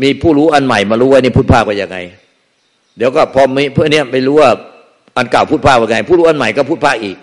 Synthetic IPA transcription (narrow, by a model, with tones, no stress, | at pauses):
miː˧pʰuː˥˩ɾuː˦˥ʔa˧nma˨˩jmaː˧ɾuː˦˥˦wa˧˥jniː˥˩uː˥˩pʰaː˥˩k̚wa˧˩ja˧ŋa̰˧j | d̪i˨˦wkɔː˥˩pʰɔː˧mi˧˥pʰɯ˥˩˨ŋni˦˥˩ɐma˧˩jɾuː˦˥wa˥˩ | ʔa˧nka˨˩wpʰuː˥˩t̪̚ʰaː˥˩k̚wa˧˩ŋa˧jpʰuː˥˩ɾuː˦˥ʔa˧nma˨˩˦jkɔː˥˩pʰuː˥˩pʰaː˥˩k̚ʔiː˨˩k̚